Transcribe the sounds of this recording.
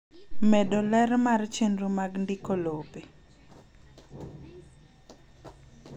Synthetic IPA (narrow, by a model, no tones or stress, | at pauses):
mɛdɔlɛrmart͡ʃenɾumaɡndikolope